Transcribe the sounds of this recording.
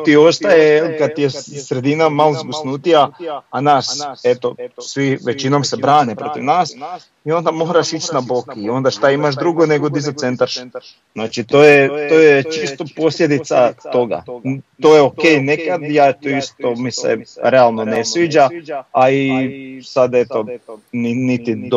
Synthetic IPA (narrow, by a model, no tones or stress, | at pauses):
t̪io̞st̪ajeelikad̪̚t̪ijesɾe̞d̪inamalzɡusnuːt̪ijaanaːse̞t̪o̞sʋiʋet͡ʃinomsebɾaːnepɾo̞t̪iʋnaːs | io̞nd̪amo̞ɦɾaʃit͡ʃnabo̞kiio̞nd̪aʃt̪aimaʃd̪ɾuɡo̞ne̞ɡo̞d̪izat̪se̞nt̪aɾʃ | znaːt͡ʃit̪oːjet̪oːjet͡ʃist̪opo̞slʲʎʲed̪it̪sat̪o̞ɡa̰t̪ojeokejnekad̪jaet̪oist̪o̞misḛɾealˠno̞ne̞sʋiːd͡ʒaaisad̪e̞t̪o̞ninit̪id̪